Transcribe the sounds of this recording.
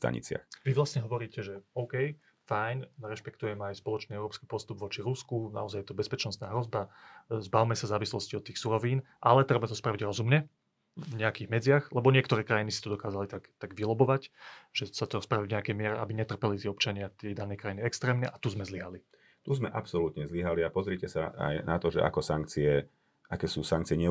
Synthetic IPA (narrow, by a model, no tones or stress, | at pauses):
t̪a̰ɲḭt͡sɪa̰xʋiʋlast̪ɲɛɦɔʋɔɾiːcɛʒɛɔʊkɛj | fajnɾɛʃpɛkt̪ujɛmajspɔlɔt͡ʃniɛʊɾɔːpskipɔst̪ubʋɔt͡ʃiɾuskuna̰ɔzajɛt̪ɔbɛspɛt͡ʃnɔst̪naːɦɾɔzbazbaʊmɛsazaːʋislɔsciɔt̪ːiːxsuɾɔʋiːn | ʔalɛt̪ɾɛbamat̪ɔspɾaʋiɟɾɔzumɲɛ | vɲɛakiːɣmɛd͡zɪaxlɛbɔɲɪɛkt̪ɔɾɛːkɾajinisit̪ɔd̪ɔkaːzalit̪aɡt̪aɡʋilɔbɔʋacʒ̥ɛsat̪ɔspɾaʋivɲɛakɛjmɪɛɾɛʔabiɲɛt̪r̩pɛlit̪ɪɛɔp̚t͡ʃaɲɪat̪ɪɛd̪anɛjkɾajiniɛkst̪ɾɛːmɲɛʔat̪uzmɛzliɦali | t̪uzmɛʔapsɔlut̪ɲɛzliɦaliapɔzɾɪɛcɛsaa̰jnat̪ɔʒɛ̰ʔa̰kɔsaŋk̚t͡siɛ | ʔakɛːsuːsaŋk̚t͡siɪɛɲɛ